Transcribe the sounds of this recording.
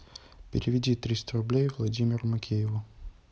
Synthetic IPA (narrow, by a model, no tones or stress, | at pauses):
pʲɪ̰ɾʲɪvʲɪdʲit̪ɾʲist̪əɾʊblʲejvlˠɐdʲimʲɪɾʊmɐkʲʰejɪvʊ